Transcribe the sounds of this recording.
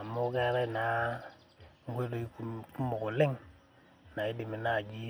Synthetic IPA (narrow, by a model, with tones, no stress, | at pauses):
a˨mo˦ke˦ɾe˦˨na˨˦ | ŋ˦ɡʷe˦do˦i˦ku˦ku˦mo˨ko˨le˦ŋ | na˨i˦di˨mi˨na˦˨ɡi˦